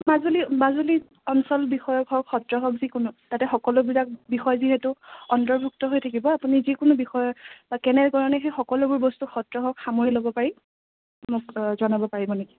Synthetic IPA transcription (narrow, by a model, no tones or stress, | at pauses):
mazulimazuli | ɔnsɔlbixɔjɔkʰɔkxɔtɹɔɦɔk̚zikʊnʊtatɛxɔkɔlʊbilak̚bixɔjziɦɛtʊɔntɔɹbʱuk̚tɔɦojtʰakibɔapunizikʊnʊbixɔjɔbakɛnɛɹkɔɹɔnɛxexɔkɔlʊbʊɹbɔstuxɔtɹɔɦɔkxamoɹilobɔpaɹi | mʊkzɔnabɔpaɹibɔneki̥